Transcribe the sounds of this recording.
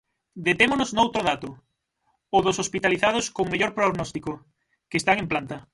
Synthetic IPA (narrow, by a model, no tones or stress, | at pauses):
d̪et̪emonoznowt̪ɾoðat̪ʊ | oðʊsospit̪aliθað̞oskoŋmeʎoɾpɾoɣnɔst̪iko | keːst̪aŋemplant̪ɐ